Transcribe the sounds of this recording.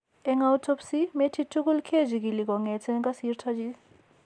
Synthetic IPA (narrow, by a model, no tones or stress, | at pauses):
eŋawtʰɔpsimetʰitʰːukulkʰed͡ʒiɡiliɡɔŋet͡sʰenkasiɾtʰad͡ʒi